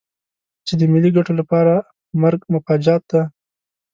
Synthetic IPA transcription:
t͡ʃed̪əmɪlːiɡaʈolapɑɾa | maɾɡmʊfad͡ʒɑt̪̚d̪a

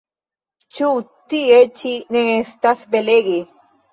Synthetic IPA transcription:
t͡ʃut̪iet͡ʃineŋest̪asbeleɡe

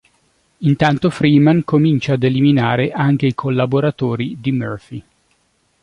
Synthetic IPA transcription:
int̪ant̪ofɾiːmankomint͡ʃaːd̪eliminaːɾeʔaŋk̟eikʰolːaboɾat̪oːɾid̪imørfi

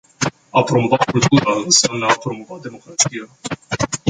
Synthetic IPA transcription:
apɾo̞movafult̪uɾaɨnsamnəapɾo̞mo̞vat̪d̪e̞mo̞kɾat̪sija

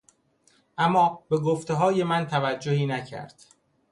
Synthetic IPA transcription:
ʔæmːɒːbe̞ɡoft̪eɦɒːje̞mænt̪ʰævæd͡ʒːohiːnæcʰæ̰ɾd̪̥

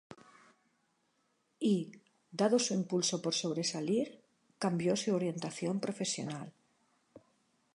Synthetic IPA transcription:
i | d̪aðosuimpulso̞po̞ɾso̞β̞ɾe̞saliɾ | kambjo̞suoɾje̞nt̪aθjo̞mpɾo̞fe̞sjo̞̰nal

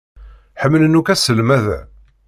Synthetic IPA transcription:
ħəmːələnukæsəlmæðæ

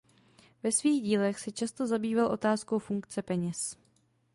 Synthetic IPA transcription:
vɛsviːɣɟiːlɛxsɛt͡ʃast̪o̞zabiːvalʔo̞̰t̪aːsko̞wfuŋkt͡sɛpɛɲɛs

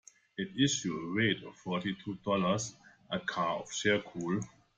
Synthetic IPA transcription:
ɪtɪʃuəɹeɪtɔv̥fɔtitʰudɔləsʔəkʰaɔfʃɛkʰuːl

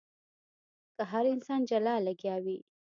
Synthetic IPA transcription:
kaɦaɾɪnsɑnd͡ʒalɑlaɡjɑwi

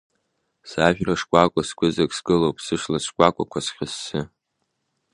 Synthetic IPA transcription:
saʒᶣraʂkʷʼakʷʼaskʷʰʼʊzakʼsɡɨlowpʰʼsɨʂlasʷʰkʷʼakʷʼakʷʰasχʲɪsːɨ

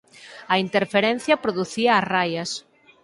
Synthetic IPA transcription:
ɐint̪eɾfeɾɛn̟θjɐpɾoðuθiɐːsrajɐs

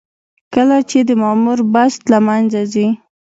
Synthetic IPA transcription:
kəlat͡ʃed̪əmɑmuɾbast̪lamanzazi

